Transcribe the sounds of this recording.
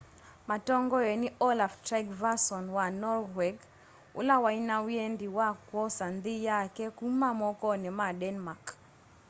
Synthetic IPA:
matɔŋɡɔjɛniʔɔlaftɾaɡvasɔnwanɔrwɛɡ | ṵlawainawjendiwakwɔsand̪ijakɛkumamɔkɔnɛmadɛnmak

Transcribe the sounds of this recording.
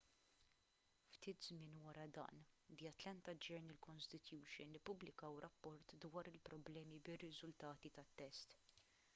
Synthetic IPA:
ft̪iːt̪zmɪːnwɐɾɐd̪ɐ̰ːnd̪ijɐt̪lɛnt̪ɐd͡ʒɛɾnɪlkɔnst̪ɪt̪juːʃɪnlɪpːʊblɪkɐwɾʔɐpːɔɾt̪d̪wɐːɾɪlpɾɔblɛːmibɪrːɪzʊlt̪ɐːt̪it̪ɐt̪ːɛst̪

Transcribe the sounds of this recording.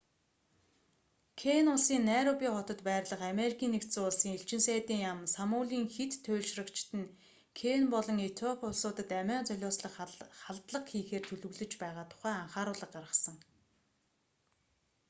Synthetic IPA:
kʰenʊɮsiːnːæɾɔpʲiːχɔt̪ɞ̆t̪pæːrʲɮə̆χameɾikʲʰiːnːekt̪t͡suːʊɮsiːŋeɬt͡ɕɪ̆nsæːt̪iːŋjamsamʊːɮiːŋxet̪ʰːʊːɮʃrə̆kt͡ɕʰt̪ɘ̆n | kʰenpɔɮɞ̆ŋet̪ʰɔpʰʊɮsʊːt̪ə̆t̪æmæːnt͡sœɮʲʊːsɮə̆χχaɮt̪ɮə̆qxiːxeːrt̪ʰɵɮɵ̆ɣɮɵ̆t͡ɕpæːʁaːt̪ʰʊ̥χæːaɴχaːɾʊːɮə̆q̚ɢarʁə̆sə̆ŋ

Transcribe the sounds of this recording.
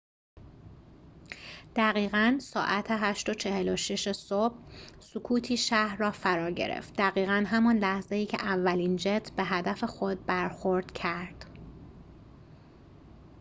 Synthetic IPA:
d̪̥æɣiːɣænsɒːʔæt̪ʰeɦæʃt̪ot͡ʃʰe̞heloʃeʃe̞sob̥̚sukʰuːt̪ʰiːʃæhɾrɒːfæɾɒːɾɟḛɾḛft̪̚d̪æɣiːɣænɦæmɒnlæhzejiːcʰḛʔævːæliːnd͡ʒet̪ʰbe̞ɦæd̪æfe̞xo̞d̪̚bæɾxoɾd̪̥cʰæɾd̪̥

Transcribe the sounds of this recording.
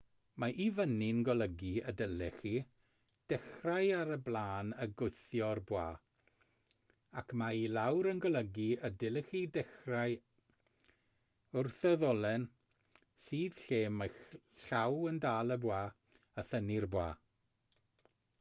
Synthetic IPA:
maʔivənɪnɡɔlˠəɡiə̰dəlɛχi | d̥ɛxrajaɾəblˠaːnəɡʊjθjɔrbwaː | akʰmailawɾənɡɔlˠəɡiədɪlˠɛχidɛxraj | ʊrθɛðɔlˠɛn | siːð̥ɬeːma | ɬawəndaːlˠəbwaː | əθənirbwaː

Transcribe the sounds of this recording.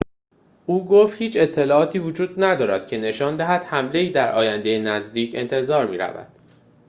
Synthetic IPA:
ʔuːɡoːft̪hiːt͡ʃʰe̞t̪ʰːe̞lɒːɒːt̪ʰiːvod͡ʒuːd̪̚næd̪ɒːɾæd̪̥cʰe̞ne̞ʃɒːnd̪æɦæd̪̥hæmle̞iːd̪æɾʔɒ̰ːjænd̪ejenæzd̪iːcʰe̞nt̪ʰe̞zɒːɾmiːɾæ̰væ̰d̪̥

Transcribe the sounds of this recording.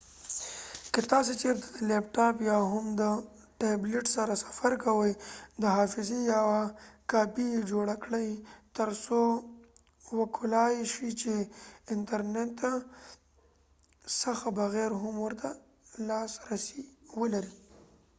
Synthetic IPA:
kət̪ɑs̬et͡ʃeɾt̪ḁd̪əlep̚ʈɑpjɑɦʊmd̪ə | ʈebleʈsaɾasḁfaɾkawəjd̪əɦɑfɪzijawakɑːpid͡ʒoɽakɽəjt̪əɾso | wəkʰʊlɑjʃit͡ʃeɪɳʈaɾneʈ̪ːa | saxabaɣɛɾɦʊmwəɾt̪a | lɑsɾasiwəlaɾi

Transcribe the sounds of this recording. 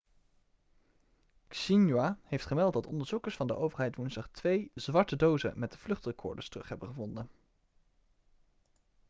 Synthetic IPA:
ksinjwahejftχəmɛlˠt̚dɑtɔndəɹz̥ukəɹsfɑndə̰ʔowvəɹɦɛjtʋunzdɑχtʋejzʋɑɹtədowzə̰mɛt̚dəv̥lɵχtrəkʰɔ̰ɹdə̰ɹstərɵχɦɛbənχəvɔndən

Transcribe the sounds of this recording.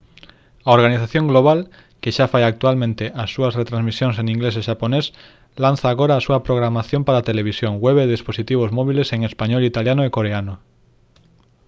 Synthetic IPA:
aoɾɣaniθaθjõŋɡloβ̞al | keʃafajak̚t̪ualmẽnt̪eʔasːuɐsret̪ɾãnzmisjoŋseŋĩŋɡleseʃapones | lan̟θaːɣoɾaːsuɐpɾoɣɾamaθjõmpaɾat̪eleβ̞isjoŋweβeðesposit̪iβ̞ozmɔβ̞ileseŋespaɲɔlit̪aljanoekoɾeano

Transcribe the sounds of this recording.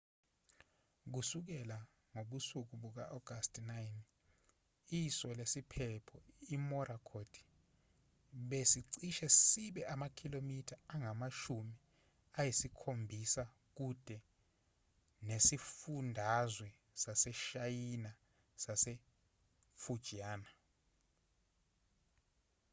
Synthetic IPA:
k̬usuk̬ɛla | ŋoɓusuk̬uɓuk̬aʔɔɡ̥ʱastʰʼnajn | isɔlesipʰɛpʰɔimɔrakʰod̥ʰʱi̥ | ɓesiǀiʃɛsiɓɛʔamakʰilomitʰaːŋamaʃumi | ajisikʰombʱisa | k̬ud̥ʱɛ | nesifundʱazwɛ | sasɛʃajina | sase | fud̥ʒ̥ʱiaːna

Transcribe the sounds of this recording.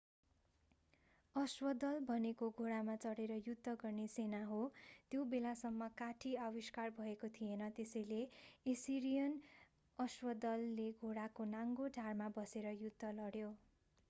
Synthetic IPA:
ʌswʌd̪ʌlbʱʌnekoɡʱoɽamat͡sʌɽeɾʌjud̪ʱːʌɡʌrnesenaɦot̪jobelasʌmːʌkaʈʰiʌwiskarbʱʌekot̪ʰijenʌt̪esʌjleesiɾijʌn | ʌswʌd̪ʌlːeɡʱoɽakonaŋɡoɖʱarmabʌseɾʌjud̪ʱːʌlʌɽjo

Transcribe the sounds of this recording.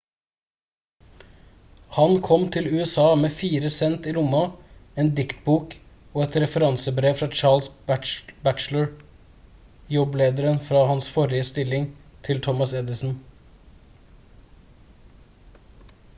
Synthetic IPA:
hɑnkʰɔmt̪ʰɪlʉːɛsɑːmeːfiːɾəsɛnt̪iːlʊmɑeːnd̪ɪkt̪̚buːk | oːɛt̪ɾɛfəɾɑnsəbɾeːʋfɾɑːt͡ʃɑːɭs | bæʈt͡ʃləɹ | jɔbleːd̪əɾənfɾɑːhɑnsfɔɾɪəst̪ɪlɪŋt̪ʰɪlt̪ʰɔmɑsɛd̪ɪsn̩

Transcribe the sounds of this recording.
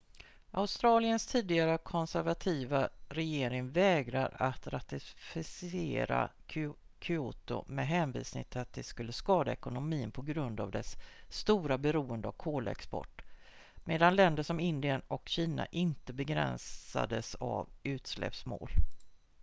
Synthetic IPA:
ʔaʊst̪ɾɑːlɪənst̪ʰiːd̪ɪɡaɾəkʰɔnsæɾvat̪ʰiːvaɾɛjeːɾɪŋvɛːɡɾaɾat̪ɾat̪ɪfɪseːɾa̰kʰ | kʰʏuːt̪ʊ̰mɛɦɛːnvḭːsnɪ̰ŋt̪ʰɪlat̪̚d̪ɛskɵlːəskɑːd̪aɛkʊnʊmiːnpʰɔɡɾɵnd̪a̰vd̪ɛsːt̪uːɾabɛɾuːənd̪əavkʰoːla̰ɛ̰kspɔ̰ʈː | meːd̪anlɛnd̪əʂɔmɪnd̪ɪənɔkɕiːna̰ʔɪnt̪əbɛɡɾɛ̰nsa̰d̪əsa̰vʉ̟ːt̪slɛ̰psmo̰ːl

